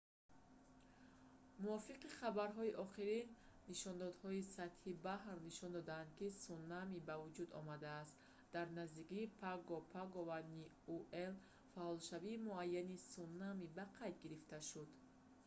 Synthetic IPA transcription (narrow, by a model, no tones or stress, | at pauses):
muɔfiqiχabaɾɦɔiʔɔχiɾinː | iʃɔnd̪ɔd̪hɔisat̪hibahrniʃɔnd̪ɔd̪aːnd̪̥̚kisunːamibavud͡ʒud̪ɔ̰mad̪aːst̪ | d̪̥aɾnazd̪ikiːpʰaɡɔpʰaɡɔvani | uʔel | faɔlʃaviːmuajːanisunːamibaqʰajd̪ɡiɾift̪aʃud̪